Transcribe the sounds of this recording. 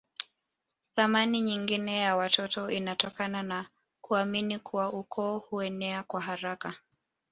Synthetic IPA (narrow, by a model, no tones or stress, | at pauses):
θamaniɲiŋɡinɛjawatɔtɔʔinatɔkanana | kuaminikʰuwaʔukʰɔːhuɛnɛakwaɦaɾaka